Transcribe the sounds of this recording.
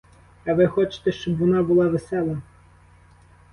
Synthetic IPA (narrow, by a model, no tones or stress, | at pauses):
ɐʋɪxɔt͡ʃɪ̥t̪ɛʃt͡ʃɔbʋɔnɑbʊlˠɑʋesɛlˠɐ